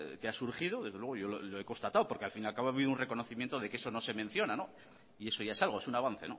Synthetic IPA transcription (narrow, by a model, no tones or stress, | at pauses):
keasuɾxið̞o̞ðe̞zðelwe̞oʝo̞lolo̞e̞ko̞nst̪at̪awpo̞ɾkealfinalkaβo̞aβiðunre̞ko̞no̞θimjent̪oðe̞kee̞so̞nose̞men̟θjo̞nano̞ | ie̞so̞ʝaesalɣ̞o̞e̞sunaβ̞an̟θe̞̰no̞̰